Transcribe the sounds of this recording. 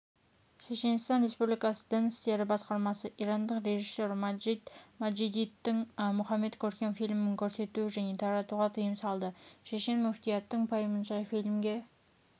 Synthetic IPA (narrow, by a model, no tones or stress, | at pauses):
ʃeʃe̞nst̪ɑnɾe̞spublʲikɑsəd̪əŋɪst̪e̞ɾɪbɑsqɑɾmɑsəʔiɾɑnd̪əqɾe̞ʒisːo̞ɾmɑd͡ʒid̪mɑd͡ʒid̪it̪ːɪŋmʊχɑmːe̞t̪kʲʰɵɾkʲe̞nfijlmɪɪŋkʲʰɵɾse̞t̪uɪʒæne̞t̪ʰɑɾɑt̪uʁɑt̪ʰəjəmsɑlˠd̪əʃe̞ʃe̞nmʊft̪ijɑt̪ːəɴpʰɑjəmənʃɑjfilmɡʲe̞